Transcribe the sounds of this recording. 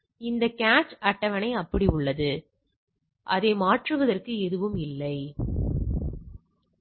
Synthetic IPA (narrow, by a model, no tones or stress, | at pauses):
ɪnd̪ɐkaːt͡ʃɐʈːɐʋɐnɐɪɐpːɐɽiʊɭːɐðɯ | ʔɐ̰ðɐɪmaːʈrɯʋɐðɐrkɯɛðɯʋɯmɪlːɐɪ